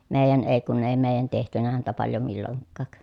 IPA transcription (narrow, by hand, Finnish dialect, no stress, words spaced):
meˑi̯jæn eˑi̯ kun eˑi̯ meˑi̯jæn tehtynæ hæntæ pɑljo milːoŋkːɑˑk